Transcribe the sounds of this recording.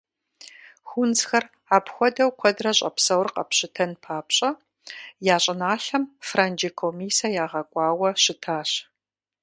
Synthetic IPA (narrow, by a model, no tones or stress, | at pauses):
xʷʊnt͡sxɐr | aːpxʷɔdɐwqʷʰɔdrɐɕʼɐ̰psɐwrqɐ̰pɕɪtʰɐnpʰaːpɕʼɐ | jaːɕʼɪnaːɬɐmfraːnd͡ʒikʰomiːsɐjaːʁɐkʷʼɑːwɐɕɪtʰaːɕ